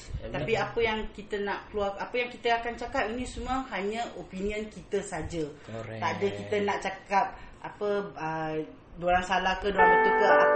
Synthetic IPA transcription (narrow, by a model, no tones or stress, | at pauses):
t̪apiapəjaŋkit̪ənaʔkluaapəjaŋkit̪əakant͡ʃakap̚inĩsumuaɦaɲə̃ʔopinĩənkit̪əsad͡ʒət̪aʔdəkit̪ənaʔt͡ʃakap̚apəə | dolaŋsalahkədolaŋat̪ukə